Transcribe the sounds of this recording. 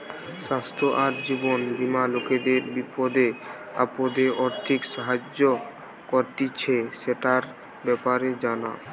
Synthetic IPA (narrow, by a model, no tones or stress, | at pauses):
ʃast̪ʰɾoʔaɾd͡ʑibonbimaloked̪eɾbipod̪e | a̰pod̪eʔɔɾt̪ʰikʃaɦad͡ʑo | koɾt̪it͡ɕʰeʃeʈaɾ | bɛpaɾed͡ʑana̰